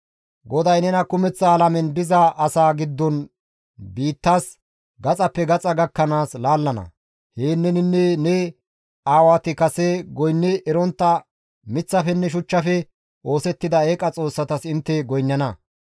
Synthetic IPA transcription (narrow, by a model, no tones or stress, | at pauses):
ɡɔd̪ɐjnɛnɐkʊmɛt͡sːɐːlɐmɛnd̪ɪzɐʔɐsaːɡɪd̪ːɔn | biːt̪ːaːs | ɡɐt͡sʼɐpːɛɡɐt͡sʼɐɡɐkːɐnaːslaːlːɐnɐ̰ | heːnːɛnɪnːɛnɛ | aːwaːt̪ɪkɐsɛɡɔjnːɛʔɛɾɔnt̪ːɐ | mɪt͡sːɐfɛnːɛʃ̬ʊt͡ʃːɐfɛ | ʔo̞ːsɛt̪ːɪd̪ɐeːkʼɐt͡sʼo̞ːsːɐt̪ɐsɪnt̪ːɛɡɔjnːɐnɐ